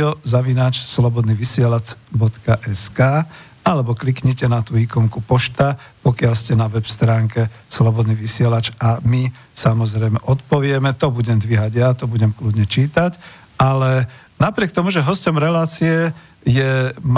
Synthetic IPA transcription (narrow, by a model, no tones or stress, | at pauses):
ɔzaʋinaːt͡ʃslɔbɔd̪niːʋisɪɛlat͡sbɔt̪kaʔɛskaː | alɛbɔklikɲɛcɛnat̪uːikɔŋkupɔʃt̪apɔkɪalscɛnaʋɛpst̪ɾaːŋkɛ | slɔbɔd̪niːʋisɪɛlat͡ʃami | samɔzɾɛjmɛʔɔt̪̚pɔʋɪɛmɛt̪ɔbuɟɛmd̪ʋiɦaɟjat̪ɔbuɟɛmklud̪ɲɛt͡ʃiːt̪ac | ʔalɛ | napɾɪɛk̚t̪ɔmuʒɛɦɔscɔmɾɛlaːt͡siɛ | jɛm